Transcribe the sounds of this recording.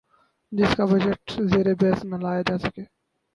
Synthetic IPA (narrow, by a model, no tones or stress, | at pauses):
d͡ʒɪskabəd͡ʒəʈzeːɾebeːsnəlaːjd̪aːsəkeː